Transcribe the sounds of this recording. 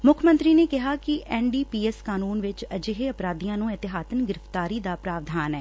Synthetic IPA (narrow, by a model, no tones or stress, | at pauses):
mʊkʰmə̃nt̪ɾiːneːkɪɦaːkɪʔɛːɳɖiːpiːɛːskaːnuːnʋɪt͡ʃəd͡ʒeɦeːəpɾaːd̪ijãːnũːɪt̪ɪɦaːt̪ənɡɪɾəft̪aːɾiːd̪aːpɾaːʋd̪ʱaːnɛː